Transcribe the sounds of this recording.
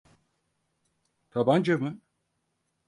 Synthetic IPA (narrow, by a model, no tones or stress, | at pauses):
t̪ʰaband͡ʒamɯ